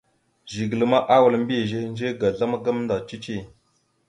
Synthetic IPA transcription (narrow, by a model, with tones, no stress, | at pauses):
ʒi˨ɡə˨lə˨ma˦ʔa˦wa˨lm˦bi˦˨ʒe˦n˦d͡ʒe˦ɡa˨ɮa˦ma˦ɡa˦m˦nda˨t͡ʃi˦t͡ʃi˦˨